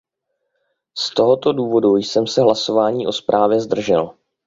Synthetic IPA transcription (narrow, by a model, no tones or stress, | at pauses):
st̪o̞ɦo̞t̪o̞duːvo̞dujsɛmsɛɦlaso̞vaːɲiːʔo̞spɾʔaːvjɛzd̪r̩ʒɛl